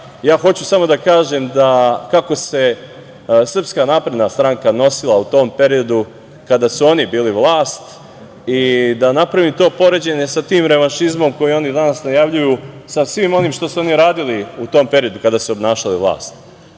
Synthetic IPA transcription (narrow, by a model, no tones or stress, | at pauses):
jaːxo̞t͡ɕusamo̞d̪akaːʒemd̪akako̞se̞ | sr̩pskanaːpɾe̞d̪nast̪ɾaŋkano̞silˠaut̪o̞ːmpe̞ɾio̞d̪u | kad̪asuo̞nibiːliʋlˠaːst̪ | id̪anapɾaʋimt̪o̞ːpo̞ɾe̞d͡ʑe̞ɲe̞sat̪iːmɾe̞ʋanʃizmo̞mko̞jio̞nid̪anasnajaʋʎujusamsʋimo̞niːmʃt̪osuo̞niɾaːd̪iliut̪o̞ːmpe̞ɾijo̞d̪ukad̪asuobnaːʃaliʋlˠa̰ːst̪̚